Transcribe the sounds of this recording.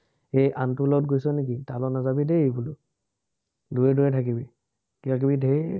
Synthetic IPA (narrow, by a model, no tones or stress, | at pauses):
ejʔantulɔt̚ɡojsɔnek̬italɔnazabidebulʊ | duɹɛduɹɛtʰakibi | kitak̬ibidʱe